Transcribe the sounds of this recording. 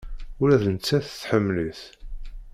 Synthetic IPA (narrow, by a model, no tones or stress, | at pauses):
ʊɾæðənət͡sːæθθħəmːləθ